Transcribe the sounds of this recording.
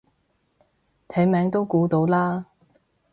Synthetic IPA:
t̪ʰɛ˨˥jmɛː˨˥ŋt̪o˥wkuː˨˥t̪o˨˥wlaː˥

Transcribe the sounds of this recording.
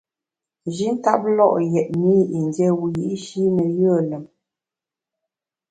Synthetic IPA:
d͡ʒi˦ŋ̩˦ka˦p̚lɔ˦˨ʔjɛ˨ʔ̚mi˦i˨n˨djɛ˦wu˨ji˨˦ʔʃi˦nə˨jə˦˨lə˨m

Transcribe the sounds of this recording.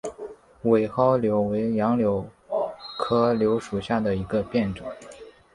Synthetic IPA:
we˨˩ɪxɑ˥ʊljo˧˥ʊwe˧˥ɪjɑ˧˥ŋljo˧˥ʊ | kʰɤ˥ljo˧˥ʊʂu˨˩ɕja˥˩d̪ə˩i˧˥ɡə˧pjɛ˥˩nʈ͡ʂɤ˨˩˦

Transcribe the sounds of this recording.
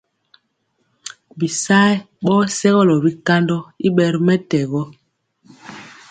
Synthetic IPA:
bi˨sa˦j | ɓɔː˦sɛ˦ɣɔ˦lɔ˨bi˦ka˦ndɔ˦i˦ɓɛ˦˨ɾmɛ˦tɛ˨ɣɔ˦

